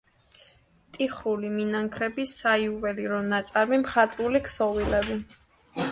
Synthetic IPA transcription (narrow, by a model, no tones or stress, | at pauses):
t̪ʼiχɾuliminaŋkʰɾɛbisaiuvɛliɾɔnat̪sʼaɾmimχat̪ʼulikʰsɔvilɛbi